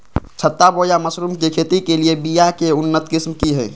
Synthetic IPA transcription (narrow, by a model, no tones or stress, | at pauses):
t͡ʃʰət̪ːabojaməsɾumkekʰet̪ikeliebijakeʊnːət̪kɪsmkiɦɛ̰ː